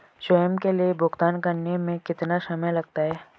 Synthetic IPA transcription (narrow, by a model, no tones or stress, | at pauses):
ʃɔjəmkeliebʱʊɡt̪aːnkɐɾnemẽkɪt̪naʃɐməjlɐɡ̚t̪aɦɛː